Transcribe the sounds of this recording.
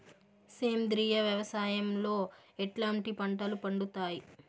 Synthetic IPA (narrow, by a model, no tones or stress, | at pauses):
seːmd̪ɾiːjɐʋjɐʋɐsaːjɐmlo̞ː | eʈlaːɳʈipɐɳʈɐlupɐɳɖut̪aːji